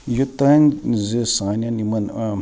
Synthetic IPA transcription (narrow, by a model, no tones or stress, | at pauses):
jut̪anzesaːnanimɐn